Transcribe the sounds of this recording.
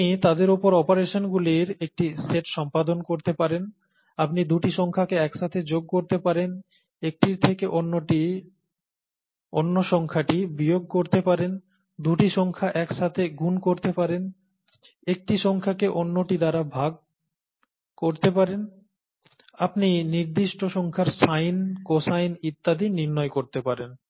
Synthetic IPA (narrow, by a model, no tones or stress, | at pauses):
it̪ad̪eɾopoɾɔpoɾeʃonɡuliɾek̚ʈiseʈʃɔmpad̪onkoɾt̪epaɾen | apnid̪uʈiʃɔŋkʰakeɛkʃat̪ʰed͡ʑoɡ̚koɾt̪epaɾen | ek̚ʈiɾt̪ʰekeʔonːoʈi | o̰nːoʃɔŋkʰaʈibɾijoɡ̚koɾt̪epaɾen | d̪uʈiʃɔŋkʰaʔɛkʃat̪ʰeɡunkoɾt̪epaɾen | ek̚ʈiʃɔŋkʰakeʔonːoʈid̪aɾabʱaɡ̚ | koɾt̪epaɾen | apniniɾd̪iʃʈoʃɔŋkʰaɾsajnkosajnit̪ːad̪iniɾnɔekoɾt̪epaɾen